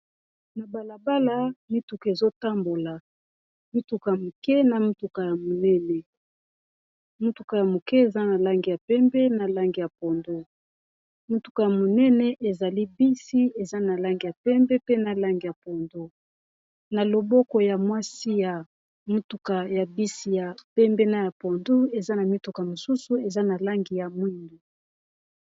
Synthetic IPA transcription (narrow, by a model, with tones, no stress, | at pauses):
na˨ba˨la˨ba˦la˨mi˦tu˨ka˨e˨zo˦ta˦mbo˨la˨ | mi˦tu˨ka˨ja˨mo˨kɛ˦na˨mu˦tu˨ka˨ja˨mo˨nɛ˦nɛ˨ | mu˦tu˨ka˨ja˨mo˨kɛ˦e˨za˦na˨la˦ŋɡi˨ja˨pɛ˦mbɛ˦na˨la˦ŋɡi˨ja˨po˨ndo˦ | mu˦tu̥˨ka˨ja˨mo˨nɛ˦nɛ˨ʔe˨za˨li˦bi˦si˦e˨za˦na˨la˦ŋɡi˨ja˨pɛ˦mbɛ˦pe˦na˨la˦ŋɡi˨ja˨po˨ndo˦ | na˨lo˨bɔ˦kɔ˨ja˨mwa˦si˦ja˨ | mu˦tu˨ka˨ja˨bi˦si˨ja˨pɛ˦mbɛ˦na˦ja˨po˨ndu˦e˨za˦na˨mi˦tu˨ka˨mo˨su˦su˨e˨za˦na˨la˦ŋɡi˨ja˨mwi˦ndu˨